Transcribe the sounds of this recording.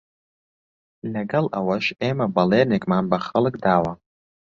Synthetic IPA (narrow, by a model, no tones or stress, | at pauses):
naɡalʔawaʃemabalenikʼmambaχəlɨkʼdaːwa